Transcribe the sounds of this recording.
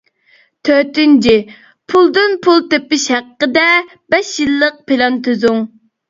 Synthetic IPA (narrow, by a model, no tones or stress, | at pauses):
t̪ʰøɾt̪ynt͡ʃʰi | pʰulˠd̪ɨnpʰulˠt̪epːɪʃhæqːəd̪ɛ | bɛʃjilˠːəq̚pʰelɑnt̪ʰøzuŋ